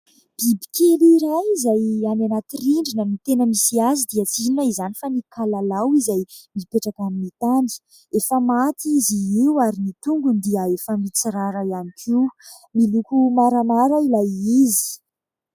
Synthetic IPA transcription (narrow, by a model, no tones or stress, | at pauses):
b̥ibi̥kʰʲeliɾajizajananat̪iriɳɖ͡ʐinəmit̪enəmisiazid̪iət͡sininaizanifanikalalawizajmipeʈ͡ʂakaminit̪ani̥ | efəmat̪iziiwaɾinit̪uŋɡund̪iəefəmit͡siɾaɾaianikʰiw | milukumaɾamaɾailajizi̥